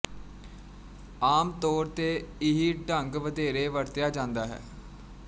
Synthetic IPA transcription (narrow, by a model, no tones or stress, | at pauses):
aːmt̪ɔːɾt̪eːɪɦiːɖəŋɡʋəd̪eːɾeːʋəɾt̪ɪjaːd͡ʒãːnd̪aːɦɛ̰ː